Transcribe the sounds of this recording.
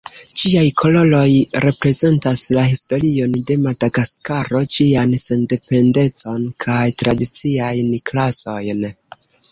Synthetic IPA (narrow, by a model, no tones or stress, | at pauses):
d͡ʒiajkʰo̞lo̞lo̞jɾe̞pɾe̞ze̞ntaslaɦisto̞ɾio̞nde̞madaɡaskaɾo̞d͡ʒianse̞nde̞pe̞nde̞t͡so̞nkʰajtɾadit͡siajnklaso̞jn